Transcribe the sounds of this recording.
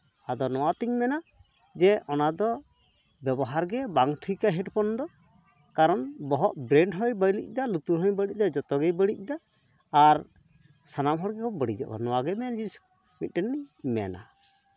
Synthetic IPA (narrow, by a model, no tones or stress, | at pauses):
ad̪ɔnɔwat̪iɲmɛna | d͡ʒɛʔɔnad̪ɔ | bɛbɔɦaɾɡɛbaŋʈʰujkaɦɛʈpɔnd̪ɔ | kaɾɔnbɔɦɔʔbɾɛɳɖɦɔjbəjlḭc̚ˀd̪alut̪uɾɦɔjbəɽic̚ˀd̪ɔd͡ʒɔt̪ɔɡɛjbəɽic̚ˀd̪aː | ɾ | sanamɦɔɽɡɛkɔbəɽid͡ʒɔ̰ʔkɔ̰nɔwaɡɛmɛnd͡ʒisu̥ | mit̪̚ˀʈɛnːimɛ̰na̰